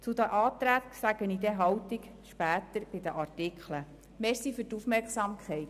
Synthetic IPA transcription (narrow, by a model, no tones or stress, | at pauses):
t͡sud̪əʔɑːt̪ɾæːt̪sæɡ̥ənid̪eɦɑwt̪ik | ʃpæːt̪əɾb̥ɪd̪əʔɑrtɪkχlə | meːɾsifyrtufmɛrksɑmkχɛɪt̪